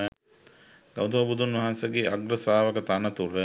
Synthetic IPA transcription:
ɡ̥awd̪ɐʋɐbud̪unʋɐɦansəɡeːʔaɡɾəsaːʋəkət̪anət̪uɾə

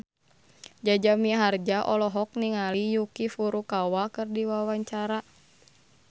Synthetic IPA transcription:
d͡ʒad͡ʒamiɦard͡ʒaʔɔlɔɦɔk̚niŋalijukifuɾukawakɨrdiwawaɲt͡ʃaɾa

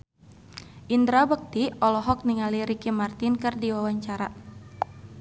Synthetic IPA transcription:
ʔind̪ɾabək̚t̪iɔlɔɦɔk̚niŋaliɾikimart̪inkərdiwawaɲt͡ʃaɾa

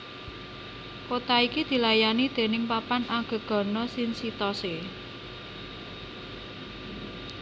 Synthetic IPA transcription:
kot̪aikid̪̥i̤lajanid̪̥e̤nɪŋpapanaŋɡ̥ə̤ɡ̥ɔ̤nɔsɪnsit̪ɔse

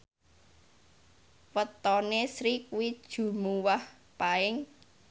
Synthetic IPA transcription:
wət̪ɔnesɾikuwid̥ʒ̥ṳmuwah | paɪŋ

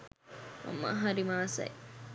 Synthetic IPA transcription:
mɐ̰mːa̰ɦaɾimaːsɐ̰j

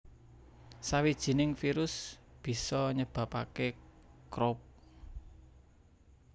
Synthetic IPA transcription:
sawid̥ʒ̥i̤nɪŋfiɾʊsb̥i̤sɔɲəb̥ä̤pake | kɾɔp̚

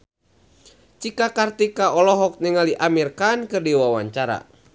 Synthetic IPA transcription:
t͡ʃikakart̪ikaʔɔlɔɦɔk̚niŋaliʔamirkankɨrdiwawaɲt͡ʃaɾa̰

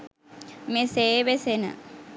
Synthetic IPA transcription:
meseːʋesenə̰

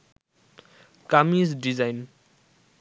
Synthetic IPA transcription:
kamizɖizajn

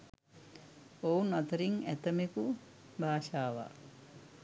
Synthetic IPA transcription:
ownat̪əɾiŋæt̪əmeku | bʱaːʃaːʋa̰

